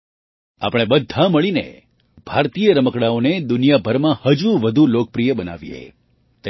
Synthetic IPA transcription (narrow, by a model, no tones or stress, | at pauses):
a̰pəɽ̃ebəd̪ʱːaməɭinḛ | b̥ʱaɾt̪ijəɾəməkɽaoned̪ʊnijabʱəɾmãhəd͡ʒuʋəd̪ʱulok̚pɾijəbəna̰ʋijḛ | t̪